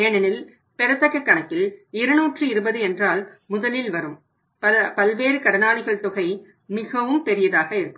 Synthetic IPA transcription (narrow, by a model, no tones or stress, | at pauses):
eːɳɐnɪl | pɛɾɐt̪ːɐkːɐkːɐɳɐkːɪlɪɾɯnuːʈrɯɪɾɯbɐðɯɛndraːlmʊðɐlɪlʋɐɾɯm | pɐpɐlʋeːɾɯkɐɽɐnaːɭɪɣɐɭt̪ʊɣɐɪ | mɪɣɐʋɯmpɛɾɪjɐðaːɣɐɪɾɯkːɯm